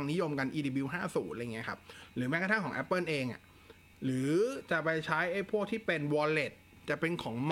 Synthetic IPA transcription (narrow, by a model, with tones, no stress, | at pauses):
ŋni˦˥jo˧mka˧nʔiː˧diː˧bi˧wɦaː˥˩suː˩˦nʔa˧jŋi˦˥ɐ˩kʰa˦˥p̚ɾɯː˩˦mɛ˦˥kʰa˧t̪ʰa˥˩kʰɔː˩˦ŋʔɛ˦˥pːɤː˥˩nʔeː˧ŋʔa̰˨˩ | ɾɯː˩˦t͡ɕa˨˩ʔpa˧jt͡ɕʰa˦˥jʔa˥˩jpʰu˥˩k̚t̪ʰiː˥˩pe˧nwɔː˧le˨˩t̪̚ | t͡ɕa˨˩pe˧nkʰɔː˩˦ŋm